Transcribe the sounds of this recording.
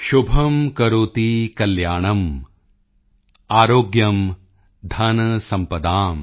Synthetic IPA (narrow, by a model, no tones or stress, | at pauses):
ʃubʱɐmkɐɾoːt̪ikɐljaːɳɐm | aːɾoːɡjɐm | d̪ʱɐnɐsɐmpɐd̪aːm